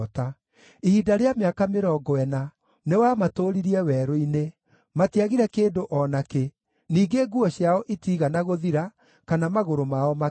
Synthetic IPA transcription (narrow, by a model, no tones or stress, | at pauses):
ta | ihiːdaɾeameakameɾɔɡɔɛna | newamatoːɾiɾiɛwɛɾoine | matiaɣiɾɛkeːndoʔɔnake | niːɡeɡuɔɕjaɔʔitiːɣanaɣoðiɾa | kanamaɣoɾomaɔma